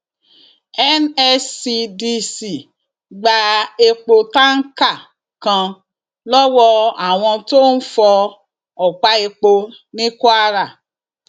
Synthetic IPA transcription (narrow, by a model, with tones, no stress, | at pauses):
ɛ˦nɛ˦si˧di˧si˨ | ɡ͡ba˧e˧k͡po˧ta˦ŋ̩˦ka˦˨ | kã˧ | lɔ˦wɔ˧a˨w̃ɔ̃˧to˦n̩˦fɔ˧ | ɔ˨k͡pa˦e˧k͡po˧ | nĩ˦ko˦a˦ɾa˦˨